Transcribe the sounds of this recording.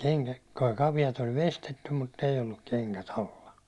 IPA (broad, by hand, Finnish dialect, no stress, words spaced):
kɑʋijɑt olʲ ʋestetːum mutː ei olːuk keŋkæt ɑlːɑ